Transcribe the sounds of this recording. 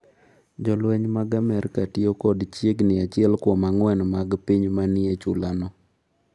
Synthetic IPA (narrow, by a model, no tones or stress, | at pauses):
d͡ʒɔlwɛɲmaɡamɛɾkatiokɔdt͡ʃjeɡnɪat͡ʃɪɛlkɔmaŋwɛnmaɡpiɲmanɪet͡ʃʊlanɔ